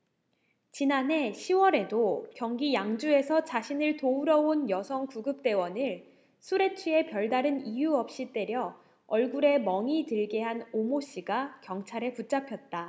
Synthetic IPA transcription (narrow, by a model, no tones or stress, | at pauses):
t͡ɕinanɦe̞ɕʰiwʌɾe̞dokjʌŋɡijaŋd͡ʑue̞sʰʌt͡ɕaɕʰinɯɭtouɾʌonjʌsʰʌŋkuɡɯp̚t͈e̞wʌnɯɭ | sʰuɾe̞t͡ɕʰue̞pjʌɭdaɾɯnijuʌp̚ɕ͈it͈e̞ɾjʌ | ʌɭɡuɾe̞mʌŋitɯɭɡe̞ɦanomoɕ͈iɡakjʌŋt͡ɕʰaɾe̞put͡ɕ͈apʰjʌt̚t͈a